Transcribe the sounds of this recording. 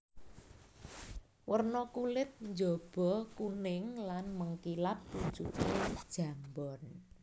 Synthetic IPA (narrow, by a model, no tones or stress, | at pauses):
wərnɔkulɪt̪̚ɲd͡ʒɔb̥ɔkunɪŋlanməŋkilap̚b̥uɲt͡ʃut̪ed̥ʒ̥a̤mbɔn